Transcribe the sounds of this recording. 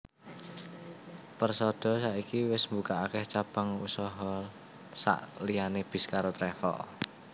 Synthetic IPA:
pərsɔd̪̥ɔ̤saʔikiwɪsmbukaakɛht͡ʃab̥aŋṵsɔɦɔ | sa̰ʔlianeb̥i̤skaɾot̪ɾɛfɔ̰ʔ

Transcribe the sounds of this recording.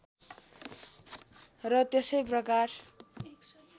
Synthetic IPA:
rʌt̪esʌjprʌkar

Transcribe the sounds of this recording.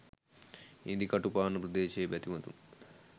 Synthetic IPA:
ḭnd̪ikɐʈupaːnɐpɾɐd̪eːʃeːbjɐt̪imɐt̪ṵn

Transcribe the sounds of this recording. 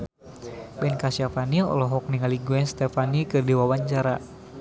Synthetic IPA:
bɛnkasiafaniɔ̰lɔɦɔk̚niŋaliɡuɛnst̪ɛfanikɨrdiwawaɲt͡ʃaɾa

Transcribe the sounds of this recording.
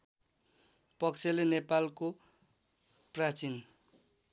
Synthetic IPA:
pʌkt͡sʰelenepalko | prat͡sin

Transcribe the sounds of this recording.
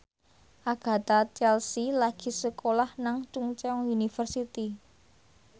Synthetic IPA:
ʔaɡ̥ä̤t̪at͡ʃɛlsilaɡ̥i̤səkolahnaŋt͡ʃuŋt͡ʃɛɔŋunifərsit̪i

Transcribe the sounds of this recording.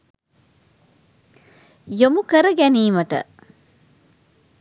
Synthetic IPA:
jomukəɾəɡæniːməʈə̰

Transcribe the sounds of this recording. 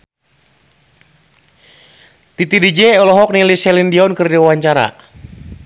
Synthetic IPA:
t̪it̪idid͡ʒɛɔlɔɦɔk̚nilisɛlindiɔnkɨrdiawaɲt͡ʃaɾa̰

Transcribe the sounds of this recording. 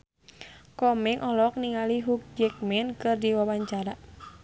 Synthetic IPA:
kɔmɛŋʔɔlɔk̚niŋaliɦuk̚d͡ʒɛk̚mɛnkɨrdiwawaɲt͡ʃaɾa

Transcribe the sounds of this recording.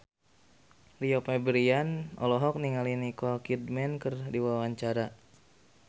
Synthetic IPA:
liɔpɛbɾianɔ̰lɔɦɔk̚niŋalinikɔkidmɛnkərdiwawaɲt͡ʃaɾa

